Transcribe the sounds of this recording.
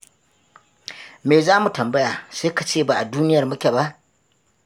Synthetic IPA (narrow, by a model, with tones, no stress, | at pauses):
meː˨zaː˦mu˨tɐ˨mbɐ˦jaː˨seː˦ka˨t͡ʃeː˦˨baː˨ʔa˨duː˦nɪ˦jɐ˨rmʊ˦kʲe˨ba˦ʔ